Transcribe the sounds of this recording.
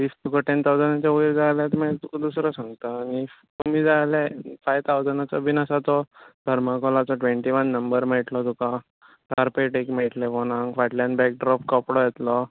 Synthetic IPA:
ʋiːst̪ukɔʈent̪ʰawd͡zənat͡ɕjauʋiɾd͡zajljat̪mat̪ukad̪usɾɔsãŋɡt̪aːni | t̪umiːd͡zajlefajt̪ʰawd͡zənat͡sɔbʱinasat̪ɔd̪ʱəɾmakɔlat͡sɔʈʋeɳʈiʋənːəmbəɾm̤əʈlɔt̪ukã | t̪aɾpeʈekm̤əʈlepɔñãŋɡfaʈlanbɛk̚ɖɾɔpkɔpɽɔjɛt̪lɔ

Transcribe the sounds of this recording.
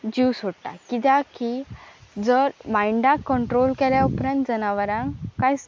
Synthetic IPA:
d͡ʑiwsoɽʈa̰kit̪jakid͡zəɾbãjɳɖãkːəɳʈɾolkɛljaupɾãnt̪d͡zənaʋəɾãŋkːajs

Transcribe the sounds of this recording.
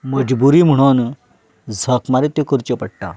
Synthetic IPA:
məd͡ʑbuɾiːm̤əɽ̃on | d͡zʱəkmaɾet̪okəɾt͡ɕəpəɽʈa̰

